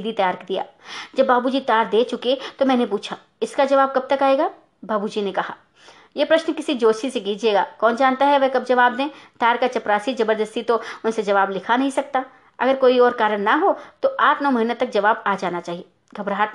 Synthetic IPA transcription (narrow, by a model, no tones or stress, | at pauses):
d̪it̪ɐjaːɾkd̪ija̰ːd͡ʒɐbːaːbud͡ʒit̪ɐjaːɾd̪eːt͡ʃʊket̪omɛ̃ːnepuːt͡ʃʰaː | ɪskad͡ʒɐʋaːb̚kɐb̚t̪ɐkaːeːɡaː | baːbud͡ʒinekɐɦa̰ː | jepɾɐʃnkɪsid͡ʒoːsiseɡiːd͡ʒeːɡa̰ːkɔːnd͡ʒaːnt̪aɦɛʋɛɦkɐb̚d͡ʒɐʋaːb̚d̪ẽːt̪aːɾkat͡ʃɐpɾaːsizɐbəɾd̪əst̪it̪oʊnsed͡ʒɐʋaːblɪkʰanɐɦĩsɐk̚t̪a | ɐ̰ɡəɾkoːiɔːɾkaːɾəɽnaɦot̪oʔaːʈʰnɔːmɐɦinet̪ɐk̚d͡ʒɐʋaːbaːd͡ʒaːnat͡ʃaːɦieː | ɡʱɐbɾaɦat̪